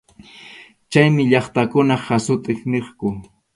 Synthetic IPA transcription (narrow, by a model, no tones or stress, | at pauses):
t͡ʃajmɪʎɑχt̪akʊnaχasʊt̪ʼɪχneχkʊ